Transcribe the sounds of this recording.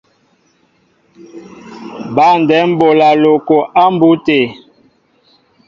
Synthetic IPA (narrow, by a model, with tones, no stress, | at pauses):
ba˦˨n˨dɛ˨˦m̩˦bo˨la˨lo˨ko˨ʔa˦m˦bu˦te˨